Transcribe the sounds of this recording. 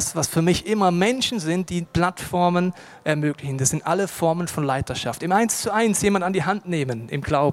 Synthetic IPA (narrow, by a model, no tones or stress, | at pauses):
sv̥asfyːɐmɪçʔɪmɐmɛnʃn̩zɪnt̚d̥iːpl̥atfɔɐmən | ʔɛɐmøːklɪçən̩dasz̥ɪntʔaləfɔɐmənfɔnlaɪtɐʃa̰ftɪmʔaɪnst͡suʔaɪnsjeːmantandiːɦantneːmənʔɪ̰mɡ̥laʊb